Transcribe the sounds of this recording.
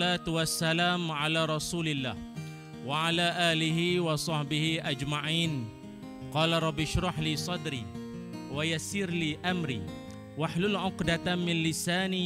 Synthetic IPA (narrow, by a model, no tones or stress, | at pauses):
laːt̪wasːalaːmʕalaːɾˤɑsuːlɪlːaːh | waʕalaːʔaːlɪɦɪwɑsˤɑħbɪhɪʔad͡ʒmaʕiːn | qɑːlaɾˤɑbːɪʃɾˤɑħliːsˤɑd̪ɾḭː | wajasiːɾliːʔamɾḭː | waħlʊlʕʊqd̪amɪnlɪsaːni